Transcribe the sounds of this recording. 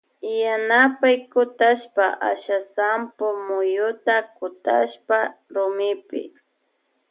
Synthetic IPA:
janapajkʊt̪aʃpaʔa̰ʃasampʊmʊjʊt̪akʊt̪a̰ʃpaɾʊmɪpɪ̰

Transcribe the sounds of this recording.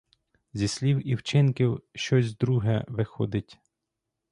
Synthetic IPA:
zʲisʲlʲiwiwt͡ʃɪnkʲiwʃt͡ʃɔzʲzd̪ɾuɦɛʋɪxɔd̪ɪtʲ

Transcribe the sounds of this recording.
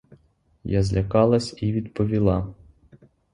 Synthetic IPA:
jazlʲɐkɑlˠɐsʲiʋʲid̪pɔʋʲilˠɑ

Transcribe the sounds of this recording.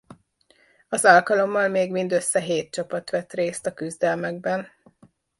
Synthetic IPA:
ɒzɒlkɒlo̞mːɒlmeːɡmind̪ø̞sːɛɦeːt̪̚t͡ʃɒpɒt̪ʋɛt̪reːst̪ɒkyzd̪ɛlmɛɡbɛn

